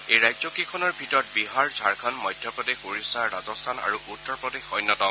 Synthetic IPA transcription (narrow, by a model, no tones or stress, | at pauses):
ejɹajzɔkikʰɔnɔɹbʱitɔt̚biɦaɹzʱaɹkʰɔnmɔjdʱjɔpɔdexuɹisaɹazɔstʰana̰ɹuʔutːɔɹpɹɔdexɔjnːɔtɔ